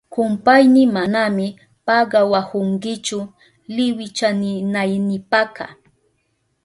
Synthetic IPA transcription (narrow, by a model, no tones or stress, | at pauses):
kʊmpajnɪmanamɪ | pɑɢɑwahʊŋkɪt͡ʃʊ | lɪwɪt͡ʃanɪnajnɪpakɑ̰